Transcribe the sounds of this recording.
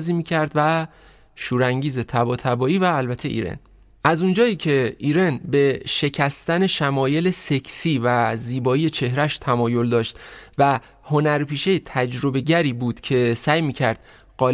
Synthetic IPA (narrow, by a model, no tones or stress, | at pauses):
ziːmiːcʰæɾd̪væ | ʃuːɾæŋɟiːze̞t̪ʰæbɒːt̪ʰæbɒːiːvæːlbæt̪ʰe̞ʔḭɾḛn | ʔæzund͡ʒɒːiːcʰe̞iːɾe̞nbe̞ʃe̞cʰæst̪æne̞ʃæmɒːje̞lese̞cʰsiːvæziːbɒːijet͡ʃʰe̞hɾæʃt̪ʰæmɒːjo̞ld̪ɒːʃt̪væ | ho̞næɾpʰiːʃejet̪ʰæd͡ʒɾo̞be̞ɟæɾiːbuːd̪̥cʰe̞sæːjmiːcʰæɾd̪̥ | ɢɒːl